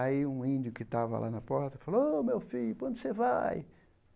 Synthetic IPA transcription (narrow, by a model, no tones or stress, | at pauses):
aiũĩnd̪jʊkɪt̪avɐ̰lʔa̰nɐpɔɾt̪ɐfaloomewfiʎʊkwɐ̃nd̪ʊsevaj